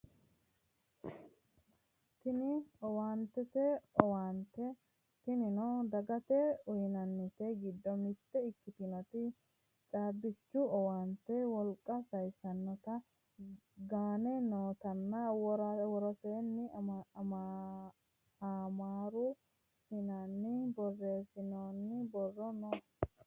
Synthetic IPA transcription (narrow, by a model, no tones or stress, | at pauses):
t̪ɪnɪɔwaːnt̪ɛt̪ɛɔwaːnt̪ɛ | t̪ɪnɪnɔd̪ɐɡɐt̪ɛʊjnɐnːɪt̪ɛɡɪd̪ːɔmɪt̪ːɛɪkːɪt̪ɪnɔt̪ɪ | t͡ʃʼaːbɪt͡ʃːuɔwaːnt̪ɛwɔlkʼːɐsɐjsɐnːɔt̪ɐ | ɡaːnɛnoːt̪ɐnːɐwɔɾɐwɔɾɔseːnːɪma | aːmaːɾʊ | hɪnɐnːɪbɔrːe̞ːsɪnoːnːɪbɔrːɔnɔ